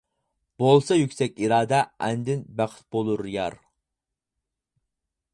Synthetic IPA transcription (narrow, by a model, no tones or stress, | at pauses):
b̥olˠsɑjykʲsɛkʲiɾɑːd̪ɛʔɛnd̪ɪnbæχɪ̥t̪̚bolˠuɾjɑ̰ɾ